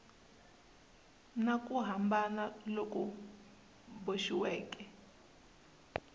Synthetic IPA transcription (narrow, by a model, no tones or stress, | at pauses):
nakʼuɦambanalok̬ʼu | boʃiwɛːkʼɛ